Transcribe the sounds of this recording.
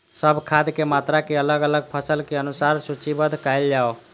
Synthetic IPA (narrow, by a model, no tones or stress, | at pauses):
səbʱkʰad̪kemat̪ɾakeələɡələɡ̚pʰəsəlkeənusaɾsut͡ʃibəd̪ʱkaɪld͡ʒao